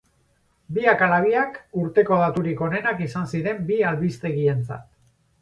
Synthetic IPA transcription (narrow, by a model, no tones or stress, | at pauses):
biakalaβ̞iakuɾt̪e̞ko̞ð̞at̪uɾiko̞ne̞nakisansiɾe̞mbialβist̪e̞ɣie̞nt͡sa̰t̪̚